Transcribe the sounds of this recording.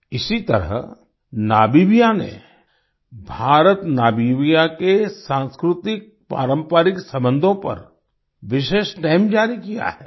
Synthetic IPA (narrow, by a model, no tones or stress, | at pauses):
ɪsit̪ɐɾə̰ɦ | naːbiːʋijanḛ | bʱaːɾət̪naːbiʋijakesãːnskɾʊt̪ɪk̚pa̰ːɾə̃mpaːɾɪksɐ̃mbə̃nd̪ʱõpɐ̰ɾ | ʋɪʃeːʃʈaːɪmd͡ʒaːɾikija̰ɦɛː